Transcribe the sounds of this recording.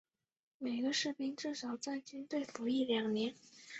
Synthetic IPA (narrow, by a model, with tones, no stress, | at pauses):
me˨˩ɪɡə˦ʂɻ̩˥˩pi˥ŋʈ͡ʂɻ̩˥˩ʂɑ˨˩ʊt͡sa˥˩ɪt͡ɕy˥nt̪we˥˩ɪfu˧˥i˥˩ljɑ˨˩ŋnjɛ˧˥n